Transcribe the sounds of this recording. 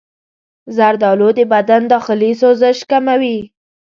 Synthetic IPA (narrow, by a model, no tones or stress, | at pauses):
zaɾd̪ɑlod̪əbad̪and̪ɑxɪlisozəʃkamawi